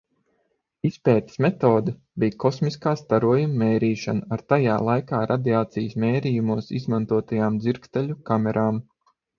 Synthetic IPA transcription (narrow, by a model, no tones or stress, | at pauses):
ispɛːt̪i̥smɛt̪oːd̪ɐ | bʲijkɔsmiskaːst̪aɾuɔjumːɛːɾiːʃanaaɾt̪ajaːlˠajkaːɾʔad̪iaːt̪sijəsmʲeːɾijumuɔsḭzmant̪uɔt̪ajaːmd̪ziɾkt̪ɛʎʲukamʲɛɾʔaːm